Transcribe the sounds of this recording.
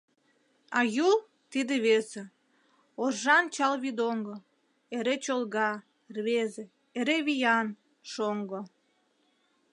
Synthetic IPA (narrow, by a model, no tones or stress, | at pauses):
ɑjulˠ | t̪id̪eβese | oʒɑnt͡ɕɑlβid̪oŋɡo | eɾet͡ɕolˠɣɑ | rβeze | eɾeβijɑn | ʃoŋɡo